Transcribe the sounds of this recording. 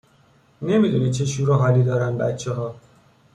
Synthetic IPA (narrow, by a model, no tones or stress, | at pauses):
ne̞miːd̪unit͡ʃʰe̞ʃuɾuɦɒːliːd̪ɒːɾænbæ̰t̪t͡ʃʰeɦɒː